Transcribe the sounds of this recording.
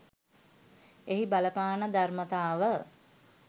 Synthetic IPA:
eɦibaləpaːnəd̪armət̪aːʋə

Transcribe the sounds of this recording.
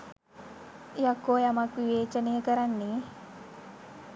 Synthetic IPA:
jakːoːjamakʋiʋeːt͡ʃənejəkəɾanːeː

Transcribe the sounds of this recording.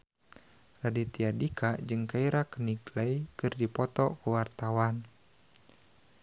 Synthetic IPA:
radit̪iadikʰad͡ʒɨŋkaiɾakəniɡlajkɨrdipɔt̪ɔkuwart̪awan

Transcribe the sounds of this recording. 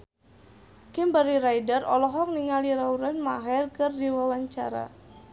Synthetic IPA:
kɪmbaɾiɾajdərɔlɔɦɔk̚niŋaliɾauɾɛnmaɦɛrkɨrdiwawaɲt͡ʃaɾa̰

